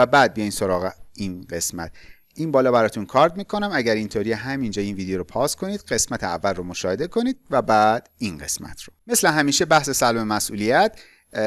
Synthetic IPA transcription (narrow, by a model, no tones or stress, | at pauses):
æbæːd̪̚bijɒjmso̞ɾɒːɣeinɢe̞smæ̰t̪ | ʔinbɒːlɒːbæɾɒːt̪ʰunkʰɒːɾd̪miːkʰo̞næmæɟæɾint̪ʰoɾijeɦæmind͡ʒɒːiːnviːd̪ejoɾopʰɒːskʰo̞niːd̪ɢe̞smæt̪ʰeæ̰vːælromo̞ʃɒːhe̞d̪e̞kʰo̞niːd̪̚væbæːd̪̥inɢe̞̰smæ̰t̪ʰɾo̥me̞sleɦæmiːʃe̞bæhse̞sælmemæsʔuːlijæt̪